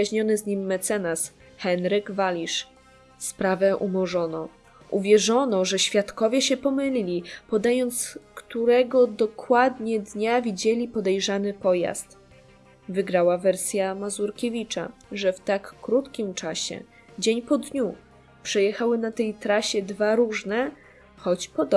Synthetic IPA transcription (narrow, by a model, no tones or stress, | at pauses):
aʑɲɔnɘzɲimːɛt̪sɛnas | xɛnɾɘɡvalʲiʂ | spɾavɛʔumɔʐɔnɔ | ʔuvʲjɛʐɔnɔʐɛɕfʲjat̪kɔvʲjɛɕɛpɔmɘlʲilʲipɔd̪ajɔnt̪skt̪uɾɛɡɔd̪ɔkwad̪ɲɛd̪ɲavʲid͡ʑɛlʲipɔd̪ɛjʐanɘpɔja̰st̪ | vɘɡɾawavɛɾsʲjamazuɾkʲevʲit͡ʂa̰ʐɛft̪akːɾut̪kʲimt͡ʂaɕɛ̰ | d͡ʑeɲpɔd̪ɲu | pʂɛjɛxawɘnat̪ɛjt̪ɾaɕɛd̪vaɾuʐnɛ | xɔt͡ɕpɔd̪ɔ